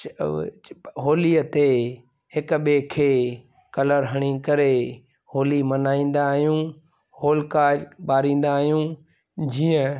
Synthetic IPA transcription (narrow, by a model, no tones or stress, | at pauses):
ɦoːliət̪e | hɪkɓekʰeː | kɐləɾɦɐɽ̃ikɐɾe | hoːlimɐnaːĩːn̆d̪aːɦijũː | hoːlkaːbaːɾĩːn̆d̪aːɦijũ | d͡ʑiːə̃